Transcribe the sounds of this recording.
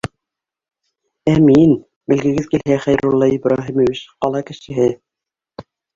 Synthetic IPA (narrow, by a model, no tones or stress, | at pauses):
æmin | mɘ̆lɡɘ̆ɡɘðkilɦæχæjɾulˠːɑibɾɑɦimovit͡ɕqɑlˠɑkɘ̆ʃɘ̆ɦɘ